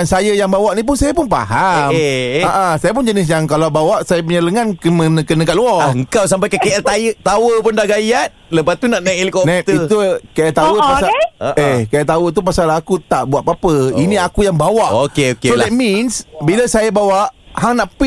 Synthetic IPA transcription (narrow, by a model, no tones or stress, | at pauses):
ansajəjaŋbawaʔnip̬ʊnsajapʊnpa̰ɦameaʔãsajap̬ʊnd͡ʒənɪs̬jaŋkalawbawaʔsajapəɲələŋankəmənəkənəkaʔluɔəŋkaws̬ampajkakeʔɛt̪ajət̪awəpʊndaɡajat̪̚ləbat̪ːunaʔnaʔilkɔnat̪it̪ukajaʔt̪awəpasaəʔekajaʔt̪awət̪̬upasalakut̪aʔbuaʔ̪̚papəiniakujaŋbawaʔokeokesolɛt̪̚minsbiləsajabawaʔhaŋnaʔpi